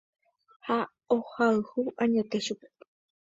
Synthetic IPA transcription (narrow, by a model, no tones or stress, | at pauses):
ha | ohaɨhuʔãɲet̪eʃupe̥